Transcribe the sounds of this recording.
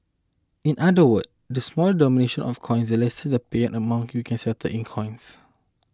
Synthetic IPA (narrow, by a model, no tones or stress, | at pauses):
ĩnʔadəwəd | dəsmɔlədɔmineʃə̃nʔɔ̰fkʰɔ̃j̃nsəlɛstədəpeɛ̃nʔəmãŋjukʰɛ̃nsɛtʰə̰ʔĩnkʰɔ̃j̃ns